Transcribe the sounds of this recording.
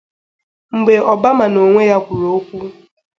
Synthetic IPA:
ŋ͡m̩˨ɡ͡be˨ɔ˨ba˦ma˨no˨ŋʷe˦ja˦kʷu˨ɾo˨o˦kʷu˦

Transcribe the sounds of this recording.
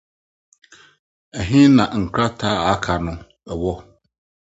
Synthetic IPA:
æ˨ɦĩ˦nã˨ŋ̩˨kʰɾa˦tʰaː˦a˨˦kʰa˨nʊ̃˦ | ɛ˨wɔ˦

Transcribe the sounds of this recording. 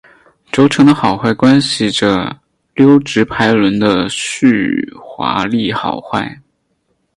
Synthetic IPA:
ʈ͡ʂo˧˥ʊʈ͡ʂʰɤ˧˥ŋd̪ə˧xɑ˨˩ʊxwa˥˩ɪkwa˥nɕi˨˩ʈ͡ʂə˩ | ljo˥ʊʈ͡ʂɻ̩˧˥pʰa˧˥ɪlwə˧˥nd̪ə˧ɕy˥˩xwa̰˧˥li˥˩xɑ̰˨˩ʊxwa̰˥˩ɪ

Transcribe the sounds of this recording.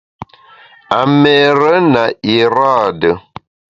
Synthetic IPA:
a˨mɛ˦˨ɾə˦na˨i˨ɾa˦˨də˨

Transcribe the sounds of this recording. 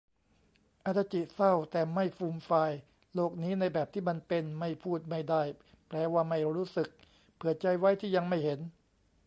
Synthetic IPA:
ʔa˨˧˩t̪ːa˧˩t͡ɕi˨˩t̪sa˥˩wt̪ɛː˨˩ma˥˩jfuː˧mfaː˧j | loː˥˩k̚niː˦˥na˧jbɛː˨˩p̚t̪ʰiː˥˩ma˧npe˧nma˥˩jpʰuː˥˩t̪̚ma˥˩jda˥˩j | plɛː˧waː˥˩ma˥˩jɾuː˦˥sɯ˨˩k̚ | pʰɯ˨˩ɐt͡ɕa˧jwa˦˥jt̪ʰiː˥˩ja˧ŋma˥˩jhe˩˦n

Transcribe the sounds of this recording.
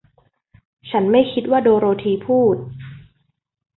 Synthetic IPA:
t͡ɕʰa˦˥nma˥˩jkʰi˦˥t̪̚waː˥˩doː˧ɾoː˧t̪ʰiː˧pʰuː˥˩t̪̚

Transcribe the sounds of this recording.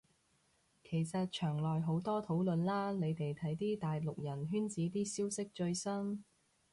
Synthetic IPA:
kʰe˨˩jsɐ˨t̚t͡ʃʰœː˨˩ŋlɔː˨jɦo˨˥wt̪ɔː˥t̪ʰo˨˥wlɵ˨˧nlaː˥ne˨˧jt̪e˨jt̪ʰɐ˨˥jt̪iː˥t̪aː˨jlʊ˨k̚jɐ˨˩nɦyː˥nt͡siː˨˥t̪iː˥siː˥wsɪ˥k̚t͡ʃɵ˧ɥsɐ˥n

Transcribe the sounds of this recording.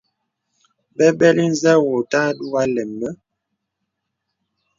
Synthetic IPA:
bɛ˦bɛ˦li˦n̩˦zɛ˦wo˨ta˦du˦a˦lɛ˨mːə˦

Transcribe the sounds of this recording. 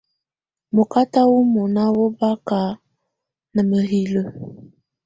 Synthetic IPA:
mo˨ka˦ta˦wu˦mo˨na˦wo˦ba˦ka˨˦ | nə˨mə˨ɦi˨lə˦

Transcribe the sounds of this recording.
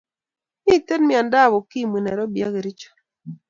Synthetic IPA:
ni˦˨te˦tmi˦a˨nda˦˨βo˨ki˦˨mwi˨nɛ˨ɾɔ˦bja̰˦ɡe˨ɾi˦t͡ʃɔ̥˨

